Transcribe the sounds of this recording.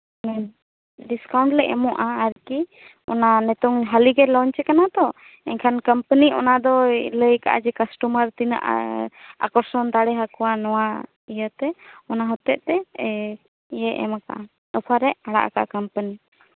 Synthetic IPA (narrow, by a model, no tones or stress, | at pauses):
ɖiskawɳʈlɛʔɛmɔʔaːɾki | ɔ̰nanɛt̪ɔŋɦaliɡɛlɔɲt͡ʃɛkanat̪ɔ | ɛɲkʰankəmpəniɔ̰nad̪ɔləjka̰ʔa̰d͡ʒɛkasʈuməɾt̪in̰ʔ | a̰kɔɾsɔnd̪aɽɛɦakɔwanɔwa | ijət̪ɛɔnaɦɔt̪ɛʔt̪ɛ | jəʔɛ̰maka̰ʔa | ɔpʰaɾɛʔaɽa̰ʔa̰ka̰ʔkampəni